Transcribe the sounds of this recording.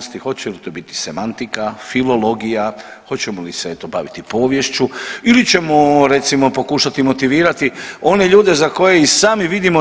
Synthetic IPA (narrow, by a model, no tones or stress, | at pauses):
st̪ixo̞t͡ɕelit̪obit̪i̥se̞mant̪ikafilo̞lo̞ɡija | xo̞t͡ɕemoliseet̪obaʋit̪ipo̞ːʋje̞ʃt͡ɕuilit͡ɕe̞moɾet̪simo̞po̞kuːʃat̪imo̞t̪iʋiːɾat̪io̞ne̞ʎuːd̪e̞zako̞jeisaːmiʋid̪imo